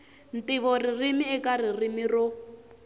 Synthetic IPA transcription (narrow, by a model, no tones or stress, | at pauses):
n̩tiβɔririmiɛkaririmirɔ